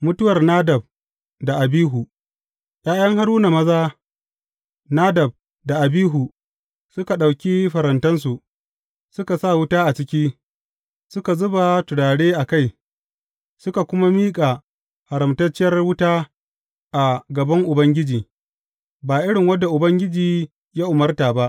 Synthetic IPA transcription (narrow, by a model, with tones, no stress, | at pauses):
mʊ˦tʊ˦wɐ˨rnaː˦dɐ˨b̚ | da˨ʔa˨biː˦ɦu˨ | j̰aː˦jɐ˦ŋɦa˦ɾuː˦na˨mɐ˦zaː˦ | naː˦dɐ˨b̚ | da˨ʔa˨biː˦ɦu˨ | sʊ˦ka˨ɗa˨wkʲiː˦ɸɐ˨ɾɐ˨ntɐ˦ns̬u˨ʔ | sʊ˦ka˨sa˦˨wʊ˦taː˦ʔa˨t͡ʃɪ˦kʲiː˦ | sʊ˦ka˨zʊ˦ba˨tʊ˨ɽaː˨ɽeː˦ʔa˨ka˦˨j | sʊ˦ka˨kʷʊ˦ma˦miː˦kʼa˨ | ha˨ɾɐ˨mtɐ˦t͡ʃːɪ˦jɐ˦rwʊ˦taː˦ | ʔa˨ɡɐ˨bɐ˦ŋʔʊ˨bɐ˦ŋɡʲɪ˦d͡ʒiː˨ | baː˨ʔɪ˦ɽɪ˨ŋwɐ˦dːa˨ʔʊ˨bɐ˦ŋɡʲɪ˦d͡ʒiː˨ | ja˦ʔʊ˨mɐ˦rtaː˨ba˦ʔ